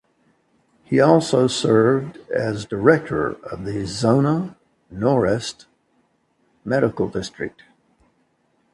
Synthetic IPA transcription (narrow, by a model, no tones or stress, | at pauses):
hiɔlˠsoʊsɜ˞vdɨzdə˞ɛk̚tʰə̰˞ʌvðɨzõʊ̃nə | nɔɹɛst | mɛɾɨkl̩ˠdɪstɹ̥ɨ̰k̚t̚